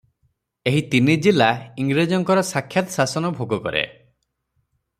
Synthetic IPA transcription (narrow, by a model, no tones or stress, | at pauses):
eɦit̪inid͡ʒilaiŋɡɾed͡ʒɔŋkɔɾɔsakʰjat̪ɔsasɔnɔbʱoɡɔkɔ̰ɾḛ